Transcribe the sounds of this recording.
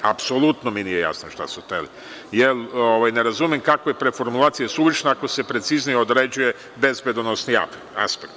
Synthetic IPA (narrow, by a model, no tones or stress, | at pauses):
apso̞lut̪nominijeja̰snoʃt̪a̰sut̪eli | jeloʋajne̞ɾazumimkakojepɾefo̞ɾmulˠaːt̪sijesulit͡ʃnaakose̞pɾe̞t̪siznijeod̪ɾed͡ʑuje̞ | be̞zbe̞d̪onosnḭ | a̰spekt̪